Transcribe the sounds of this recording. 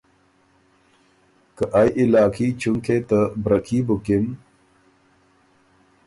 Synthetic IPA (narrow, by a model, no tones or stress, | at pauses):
kəʔajʔilaːkʰiːt͡ɕuŋkʰet̪əbɾɐkʰiːbukim